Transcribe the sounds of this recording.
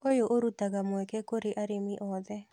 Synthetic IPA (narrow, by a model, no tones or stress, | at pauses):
ojoʔoɾutaɡamwɛkɛkoɾeʔaɾemiʔɔd̪ɛ